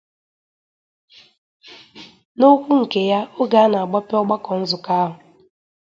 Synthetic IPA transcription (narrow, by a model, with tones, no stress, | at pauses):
no˦kʷu˦ŋ̩˨ke˨ja˦o˦ɡa˦na˨a˨ɡ͡bɔ˦pɪ˦ɔ˦ɡ͡ba˦kɔ˨n̩˦zʊ˨ka˦ɦʊ˨